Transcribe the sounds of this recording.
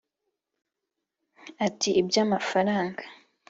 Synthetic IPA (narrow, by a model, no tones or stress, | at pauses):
atiʔibjaːmafaɾaːŋɡḁ